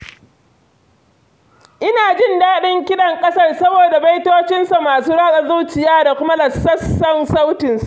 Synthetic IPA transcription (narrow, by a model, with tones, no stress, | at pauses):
ʔɪ˦naː˨d͡ʒɪ˦˨ndaː˦ɗɪ˦ŋkʲɪ˦ɗɐ˨ŋkʼɐ˦sɐ˦rsɐ˦boː˨da˨ba˦jtoː˦t͡ʃɪ˦nsa˨maː˨suː˦ɽaː˦ka˨zuː˦t͡ʃɪ˨jaː˦da˨kʷʊ˦ma˦lɐ˨sːɐ˦sːɐ˦nsa˦wtɪ˨nsa˨ʔ